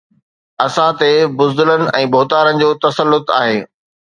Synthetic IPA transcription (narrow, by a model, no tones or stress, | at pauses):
ɐsãt̪ebʊzd̪ʊlənɪ̆ʔɛ̃ːboːt̪aːɾənɪ̆d͡ʑoːt̪ɐsəlːʊt̪a̰ːɦeː